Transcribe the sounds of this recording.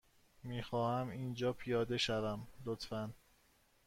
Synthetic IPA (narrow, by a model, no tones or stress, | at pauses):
miːxɒːhæmiːnd͡ʒɒːpʰijɒːd̪e̞ʃævæmlot̪ʰfæn